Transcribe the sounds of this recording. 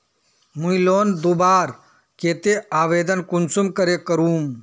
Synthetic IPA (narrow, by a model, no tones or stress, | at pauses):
muiloːnd̪ubaːɾ | keːt̪eaːʋeːd̪ənkunsumkɐɾekɐɾuːm